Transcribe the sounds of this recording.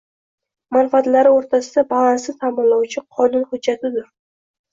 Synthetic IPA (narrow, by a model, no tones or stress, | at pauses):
manfaat̪laɾɪoɾt̪ʰasɪd̪abalˠansɪt̪ʰamɪnlawt͡ʃʰɪqʰɒnʊnhʊdd͡ʒːat̪ʰɪd̪ʊɾ